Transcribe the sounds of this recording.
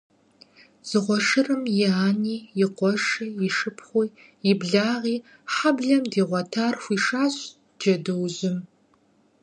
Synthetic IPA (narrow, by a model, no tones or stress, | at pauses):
z̥ɨʁʷɔʂɨrɨmjɪaːniːjɪqʷɔʂiːjɪʂɨpʰχʷiː | jɪbɮaːʁiː | ħabɮɐmdiːʁʷɔtʰaːrxʷiːʂaːɕ | d͡ʒɐdɨwʑɪm